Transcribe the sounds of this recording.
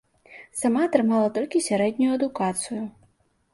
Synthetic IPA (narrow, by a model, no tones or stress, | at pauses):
samat̪ɾɪmɑlˠɐt̪ɔlʲkʲisʲɐɾɛd̪ʲnʲʊjʊɐd̪ʊkat̪sɨjʊ